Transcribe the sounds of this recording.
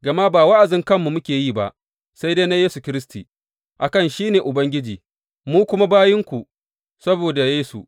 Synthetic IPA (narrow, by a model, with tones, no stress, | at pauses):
ɡɐ˨ma˦baː˨wa˦ʔa˨d͡ʒɪ˦ŋkɐ˦mːu˨mʊ˦kʲeː˨jiː˦˨ba̰˦ʔ | sa˦jde˦na˦jeː˦su˨kʲɪ˦ɾɪ˦sti˨ | ʔa˨kɐ˦˨nʃiː˦neː˨ʔʊ˨bɐ˦ŋɡʲɪ˦d͡ʒiː˨ | muː˦kʷʊ˦ma˦baː˦jɪ˦ŋkʷu˨ | sɐ˦boː˨da˨jeː˦su˨